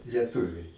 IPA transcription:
lʲiɛˈtʊʋʲɛɪ

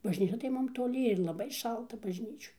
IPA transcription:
bɐʒʲˈnʲiːt͡ʃʲɛ tɐɪ ˈmʊm toːˈlʲɪ ɪr lˠɐˈbɐɪ ˈʃɐlˠtɐ bɐʒʲˈnʲiːt͡ʃʲoːj

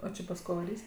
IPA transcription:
oː ˈt͡ʃʲɪ pɐs ˈkoː ʋɐˈrʲiːsʲ

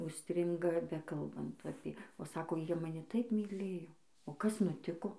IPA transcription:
ʊʃʲˈsʲtʲrʲɪŋɡɐ ˈbʲæːkɐlˠbɐnt ˈɑːpʲeː oː ˈsɑːkoː ˈjiɛ mɐˈnʲɪ ˈtɐɪp mʲiːˈlʲeːjoː oː ˈkɐs nʊˈtʲɪkoː

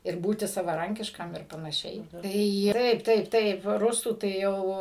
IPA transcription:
ɪr ˈbuːtʲɪ sɐʋɐˈrɐŋʲkʲɪʃkɐm ɪr pɐnɐˈʃʲɛɪ ˈtɐɪ ˈtɐɪp ˈtɐɪp ˈtɐɪp ˈrʊsuː tɐɪ ˈjɛʊ

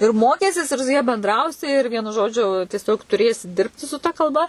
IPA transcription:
ɪr ˈmoːkʲiːsʲiɛs ɪr sʊ jɛ bʲɛnˈdrɐʊsʲɪ ɪr ˈʋʲiɛnʊ ˈʒoːd͡ʒʲʊ tʲiɛˈsʲoːk tʊˈrʲeːsʲɪ ˈdʲɪrʲpʲtʲɪ sʊ tɐ kɐlˠˈbɐ

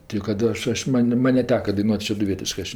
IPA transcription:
tʲɛɪ kɐt ˈɐʃ ˈɐʃ ˈmɐnʲ ˈmɐnʲ nʲɛˈtʲæːkɐ dɐɪˈnuɔtʲ ʃʲɛdʊˈʋʲiɛtʲɪʃkɜ ˈɐʃ

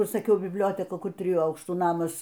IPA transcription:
ˈkʊr sɐˈkʲɛʊ bʲɪbʲˈlʲoːtʲɛkɐ ˈkʊr ˈtʲrʲɪjuː ˈɐʊkʃtuː ˈnɑːmɐs

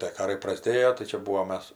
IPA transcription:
tʲeː ˈkɑːrɐɪ prɐˈzʲdʲeːjoː tɐɪ ˈt͡ʃʲɛ ˈbuːʋoːm ˈmʲɛs

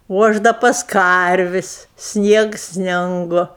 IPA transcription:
oː ˈɐʃ ˈdɐ pɐs ˈkɐrʲʋʲɪsʲ ˈsʲnʲiɛks ˈsʲnʲɪŋɡʊ

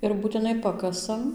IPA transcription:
ɪr buːtʲɪˈnɐɪ ˈpɑːkɐsɐm

